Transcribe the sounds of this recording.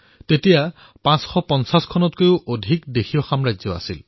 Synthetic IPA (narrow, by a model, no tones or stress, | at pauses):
tetija | pãsxɔpɔnsaskʰɔnɔtkojuʔodʱikdexʰijɔxamɹazɔa̰sḭl